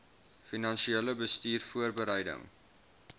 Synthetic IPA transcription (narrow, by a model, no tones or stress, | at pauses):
finɐnʃieːləbəstiːrfuərbəɾɛjdə̰ŋ